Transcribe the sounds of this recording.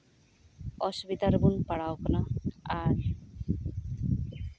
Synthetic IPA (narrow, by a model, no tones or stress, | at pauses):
ɔsbit̪aɾbunpaɽaoknaaɾ